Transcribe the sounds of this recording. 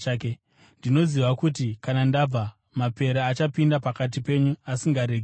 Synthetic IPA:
ake | ndino̞ziʋakutikanandab͡va | mape̞ɾaːt͡ʃapindapakat̬ipe̞ɲuasiŋɡaɾeɡʱ

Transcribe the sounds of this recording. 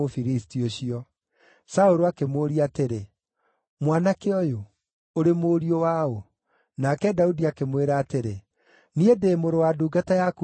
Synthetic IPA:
ofiɾistioɕiɔ | saoɾoakemoːɾiateɾe | mwanakeɔjo | oɾemoːɾiowao | nakɛdaudiakemweɾaːteɾe | niedeːmoɾowaduːɡatajaku

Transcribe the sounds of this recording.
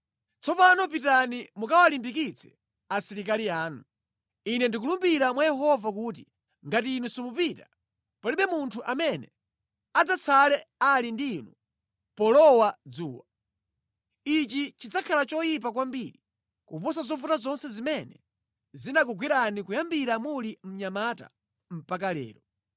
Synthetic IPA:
t͡sɔpanɔpitanimukawalimbikit͡sʰɛ̥ | asiɾik̬aliaːnu | inɛndik̬ulumbiɾamwajɛɦɔvakuːt̬i | ŋɡatiːnusimupita | pɔliɓɛmuntʰuʔamɛnɛ | ad͡zat͡sʰalɛalindiːnu | pɔlɔwad͡zuːwa | it͡ʃit͡ʃid͡zakʰalat͡ʃɔjip̬ak̬wambiɾi | kupɔs̬azɔvutazɔnsɛzimɛnɛ | zinakuɡwiɾanikujambiɾamulim̩ɲamata̰ | m̩pak̬alɛ̰ːɾɔ

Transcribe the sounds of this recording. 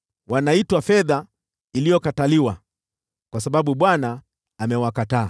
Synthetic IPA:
wanaitwafɛða | ilijɔkataliwa̰ | kwas̬aɓaɓuɓwanaː | mɛwakataː

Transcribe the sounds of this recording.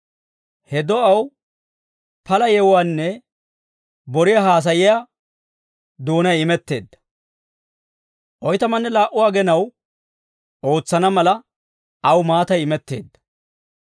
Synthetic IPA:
hɛd̪ɔɐw | pɐlɐjɛwwaːnːɛ | bɔɾɪjaɦaːs̬ɐjɪjaː | d̪oːnɐjɪmɛt̪ːe̞ːd̪ːɐ̥ | ʔɔjt̪ɐmɐnːɛlaːʔʊwaːɡɛnɐw | o̞ːt͡sːɐnɐmɐlɐ | ɐwmaːt̪ɐjɪmɛt̪ːe̞̰ːd̪ːɐ̥

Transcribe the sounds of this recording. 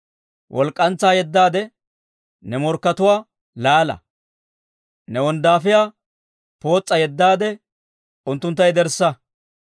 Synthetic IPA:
wʔɔlkʼːɐnt͡sːaːjɛd̪ːaːd̪ɛ | nɛmɔɾkːɐt̪ʊwaː | laːlɐ̰ | nɛwɔnd̪aːfɪjaː | po̞ːt͡sʼːɐjɛd̪ːaːd̪ɛ | ʊnt̪ːʊnt̪ːɐjd̪ɛɾsːɐ

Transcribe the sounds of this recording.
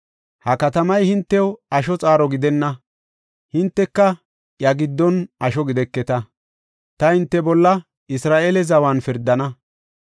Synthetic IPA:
hɐkɐt̪ɐmɐjhɪnt̪ːɛwɐʃɔt͡sʼaːɾɔɡɪd̪ɛnːɐ | hɪnt̪ːɛkːɐ | jɐɡɪd̪ːɔnɐʃɔɡɪd̪ɛkːɛt̪ɐ | t̪ɐhɪnt̪ːɛbɔlːɐ | ɪsɾaːʔelɛzɐwanfɪɾd̪ɐnɐ

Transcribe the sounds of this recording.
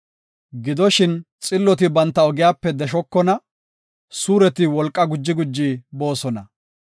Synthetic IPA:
ɡɪd̪ɔʃɪnt͡sʼɪlːɔt̪ɪbɐnt̪ːɐɔɡɪjaːpːɛd̪ɛʃɔkːɔnɐ | suːɾɛt̪ɪwɔlkʼːɐɡʊd͡ʒːɪɡʊd͡ʒːiːbo̞ːsɔnɐ

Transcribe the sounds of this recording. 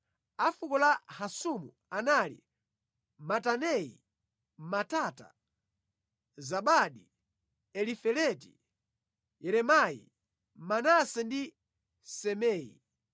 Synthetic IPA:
afukɔlahasumu | analḭ | matanɛḭ | matata̰ | zaɓaɗi | ɛlifɛlɛtḭ | jɛɾɛmajḭ | manasɛndi | sɛmɛːjḭ

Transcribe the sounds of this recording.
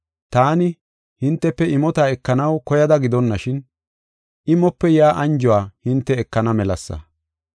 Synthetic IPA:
t̪aːnɪ | hɪnt̪ːɛpːɛɪmɔt̪aːɛkːɐnɐwkɔjɐd̪ɐɡɪd̪ɔnːɐʃɪn | ʔɪmɔpːɛjaːʔɐnd͡ʒɔwaːhɪnt̪ːɛɛkːɐnɐmɛlɐsːɐ̰

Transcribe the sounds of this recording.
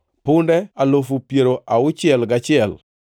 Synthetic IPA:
pʊndɛalofupjeɾoʔaʊt͡ʃɪɛlɡat͡ʃɪɛl

